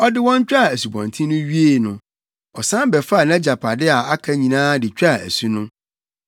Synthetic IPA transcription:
ɔ˦dɪ˦wɔ̃˦ɲ˦t͡ɕᶣa˦˨æ˨su˨bɔ̰̃˨ntʰĩ˦nʊ̃˦ɥi˦e˦˨nʊ̰̃˨ | ɔ˨sã˦m˦bɛ˨fa˦˨nã˦d͡ʑa˨pʰa˨dɪ˦a˨a˦kʰa˦ɲĩ˨nãː˦dɪ˨t͡ɕᶣa˦˨æ̰˨su˦nʊ̃˦

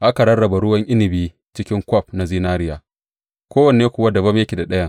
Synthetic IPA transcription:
ʔa˦ka˨ɾɐ˦ɽɐ˨ba˨ɽʊ˦wɐ˦ŋʔɪ˦nɪ˨biː˦ | t͡ʃɪ˦kʲɪ˦ŋkʷɔ˦˨pna˨ziː˦naː˦ɾɪ˦jaː˨ | kʷoː˦wɐ˨ne˨eː˦kʷʊ˨wa˦dɐ˨bɐ˦mjɐ˦kʲi˨da˨ɗɐ˦jɐ˦ŋ

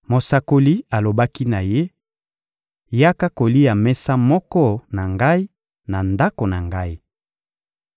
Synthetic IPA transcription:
mo˨sa˨ko˨li˦a˨lo˨ba˦ki˦na˨je˦ | ja˦ka˦ko˨li˦ja˨mɛ˦sa˦mɔ˦kɔ˦na˨ŋɡa˦i˦ | na˨nda˦ko˨na˨ŋɡa˦i˦

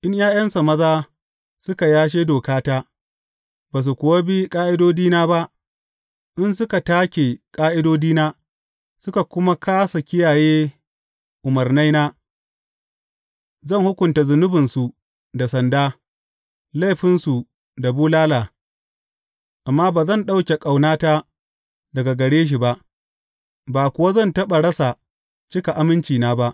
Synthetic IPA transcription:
ʔɪ˦ɲjaː˦j̰ɐ˦nsa˨mɐ˦zaː˦ | sʊ˦ka˨jaː˦ʃ̬eː˦doː˨kaː˦taː˦ | baː˨s̬u˨kʷʊ˨wa˦bi˦kʼaː˦ʔɪ˦doː˦diː˦naː˦ba˦ʔ | ʔɪ˦nsʊ˦ka˨taː˦kʲe˨kʼaː˦ʔɪ˦doː˦diː˦naː˦ | sʊ˦ka˨kʷʊ˦ma˦kʰaː˦sa˨kʲɪ˦jaː˨jeː˦ | ʔʊ˨mɐ˨rna˦jnaː˦ | zɐ˦˨ŋhʊ˦kʷʊ˨nta˨zʊ˨nʊ˦bɪ˨nsu˨ | da˨sɐ˨ndaː˦ | la˦˨jɸɪ˦nsu˨ | da˨buː˦laː˦laː˨ | ʔa˨mːaː˦baː˨zɐ˦˨nɗa˦wkʲe˨kʼa˨wnaː˦taː˦ | dɐ˨ɡa˨ɡɐ˨ɽeː˦ʃ̬i˨ba˦ʔ | baː˨kʷʊ˨wa˦zɐ˦˨ntɐ˦ɓa˨ɽɐ˦sa˨ | t͡ʃɪ˦ka˨ʔa˦mɪ˦nt͡ʃiː˨naː˦ba˦ʔ

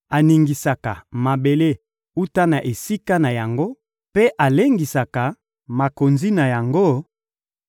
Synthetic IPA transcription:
a˨ni˨ŋɡi˨sa˨ka˨ma˨be˨le˦ | u˦ta˦na˨ʔe˨si˦ka˦na˨ja˨ŋɡo˦ | pe˦ʔa˨le˦ŋɡi˨sa˨ka˨ | ma˨ko˨nzi˦na˨ja˨ŋɡo˦

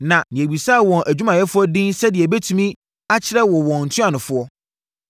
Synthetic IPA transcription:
nã˨nɪ̃˨æ˨bi˨sa˦˨wɔ̃˨nʔæ˨d͡ʑᶣu˦mã˨jɛ˦fʊ˦ɔ˦dĩ˦nsɛ˦dɪ˨ɛ˨bɛ˦tʰũ˦mĩ˦ | a˦t͡ɕʰɪ˦ɾɛ˦wɔ˨wɔ̃˨n̩˨tʰʊ̃˦ã˨nʊ̃˨fʊ˦ɔ˦

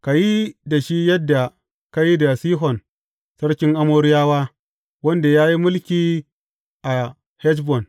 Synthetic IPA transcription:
ka˨ji˦da˨ʃi˦jɐ˦dːa˨ | ka˦ji˦da˨siː˦ɦɔ˨n | sɐ˦ɽkʲɪ˦ŋʔa˦moː˦ɾɪ˦jaː˦waː˦ | wɐ˦nda˨jaː˦ji˦mʊ˦lkʲiː˦ | ʔa˨ | hɛ˦t͡ʃ̬bɔ˨n

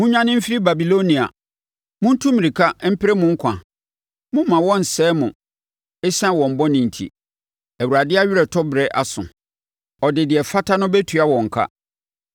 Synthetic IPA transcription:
mʊ̃˦ɲᶣã˦nɪ̃˦m̩˦fi˦ɾi˦ba˨bi˨lo˦nĩ˨a̰˨ | mʊ̃˦n̩˦tʰũ˦mĩ˨ɾi˨kʰa˦m̩˦pʰɪ˦ɾɛ˦mʊ̃˦ŋ̩˦kʷʰã̰˨ | mʊ̃˦m̩˦mã˨wɔ̃˦n̩˨sɛː˦mʊ̃˨ | ɛ˦sã˦wɔ̃˨m̩˨bɔ˦nɪ̃˨n̩˨tʰḭ˨ | æ˨wu˨a˨dɪ˦a˦ɥɪ˦ɾɛ˨tʰɔ˦bɾɛ˦ʔa˨sʊ̰̃˨ | ɔ˨dɪ˨dɪ˨ɛ˨fa˦tʰa˦nʊ̃˦bæ˦tʰu˨a˦wɔ̃˨ŋ̩˨kʰa̰˦

